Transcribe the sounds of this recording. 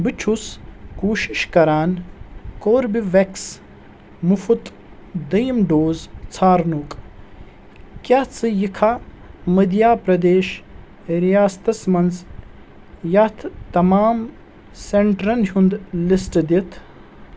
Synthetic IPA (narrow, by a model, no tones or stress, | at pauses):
bɨt͡ʃʰuskoːʃiʃkɐɾaːnkoːɾbiʋeks | mufut̪ | d̪ɐjmɖoːzt͡sʰaːɾnuk | kjat͡sʰɨjikʰaː | mɐd̪ijaːpɾɐd̪eːʃ | ɾijaːst̪ɐsmɐnz | jɐt̪ʰt̪ɐmaːm | seɳʈɾɐnɦʲund̪lisʈd̪it̪ʰ